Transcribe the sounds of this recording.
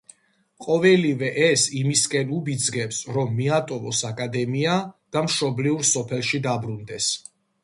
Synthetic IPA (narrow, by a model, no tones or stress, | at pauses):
qʼɔvɛlivɛʔɛsimiskʼɛnubid̪zɡɛpsɾɔmːiat̪ʼɔvɔsakʼad̪ɛmiad̪̥amʃɔbliuɾsɔpʰɛlˠʃid̪abɾund̪ɛs